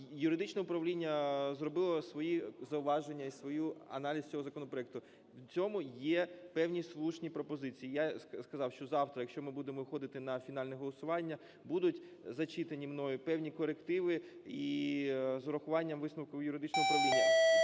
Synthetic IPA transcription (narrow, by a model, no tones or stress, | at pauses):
jʊɾɪd̪ɪt͡ʃnɛʊpɾɐʋlʲinʲːɐzrɔbɪlˠɔsʋɔjizɐʊʋɑʒenʲːɐisʋɔjuɐ̰nɑlʲisʲt͡sʲɔɦɔzɐkɔnɔpɾɔɛk̚t̪ʊ | wt͡sʲɔmʊjɛpɛwnʲislˠuʃnʲipɾɔpɔzɪt͡sʲiːjaskɐzɑwʃt͡ʃɔzɑwt̪ɾɐjɐkʃt͡ʃɔmɪbud̪emɔxɔd̪ɪt̪ɪnɐfʲin̪ɑlʲnɛɦɔlˠɔsʊʋɑnʲːɐ | bud̪ʊtʲ | zɐt͡ʃit̪enʲimnɔjʊpɛwnʲikɔɾekt̪ɪʋɪi | zʊɾɐxʊʋɑnʲːɐmʋɪsnɐwkɔjʊɾɪd̪ɪt͡ʃnɔɦʊpɾɐʋlʲinʲɐ